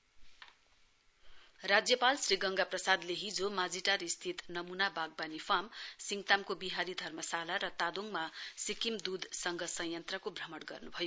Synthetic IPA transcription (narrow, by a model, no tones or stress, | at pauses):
rad͡zjʌpalsriɡʌŋɡaprʌsad̪leɦid͡zomad͡ziʈaɾist̪ʰit̪nʌmunabaɡ̚banifʰamsiŋɡt̪amkobiɦaɾid̪ʱʌrmʌsalaɾʌt̪ad̪oŋmasikimd̪ud̪sʌŋɡʌsʌjʌnt̪rʌkobʱrʌmʌɽɡʌrnubʱʌjo